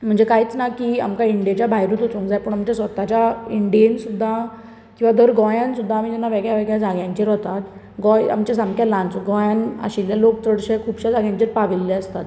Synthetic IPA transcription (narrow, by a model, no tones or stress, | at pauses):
m̤əɳd͡zekaɦiːt͡snakia̰mkaiɳɖijat͡ɕjabʱajɾut̪ot͡sõŋkd͡zajpəɳamt͡ɕasʋət̪at͡ɕaiɳɖiensud̪ʱːa | kĩw̃ʋad̪ʱəɾɡɔjansud̪ʱːaːmid͡ʑɛnːaʋeɡɭjaʋeɡɭjad͡zaɡjãɲt͡ɕiɾɦot̪at̪ | ɡɔja̰mt͡ɕasamkʰjalansɡɔjana̰ɕiljalok̚t͡səɽɕekʰuːbɕad͡zaɡjãɲt͡ɕiɾpaʋilːɛəst̪at̪